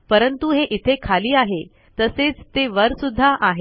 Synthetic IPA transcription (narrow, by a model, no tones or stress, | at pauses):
pəɾənt̪uɦeʔit̪ʰekʰaliːaɦe | t̪əset͡st̪eʋəɾsud̪ʱːaʔaɦe